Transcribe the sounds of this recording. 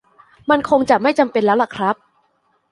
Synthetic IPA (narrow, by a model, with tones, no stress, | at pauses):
ma˧nkʰo˧ŋt͡ɕa˨˩ma˥˩jt͡ɕa˧mpe˧nlɛː˦˥wla˨˩kʰɾa˦˥p̚